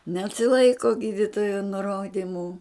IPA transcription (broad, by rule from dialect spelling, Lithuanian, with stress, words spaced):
nʲɛsʲɪˈlˠɐɪkoː ˈɡʲiːdʲɪtoːjoː nʊˈroːdʲɪmʊ